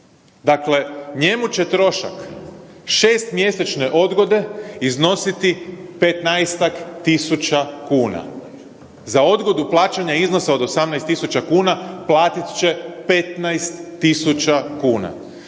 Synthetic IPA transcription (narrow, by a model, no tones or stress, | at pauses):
d̪akle̞ɲe̞mut͡ɕe̞t̪ɾo̞ʃa̰k | ʃeːst̪mje̞set͡ʃne̞ʔo̞d̪ɡo̞d̪e̞izno̞sit̪ipet̪najst̪akt̪isut͡ʃakuːna̰ | zao̞d̪ɡo̞d̪uplˠaːt͡ɕaɲaizno̞saod̪o̞samnajst̪isut͡ʃakuːnaplˠaːt̪it̪t͡ʃe̞pe̞t̪najst̪ːisut͡ʃakuːna̰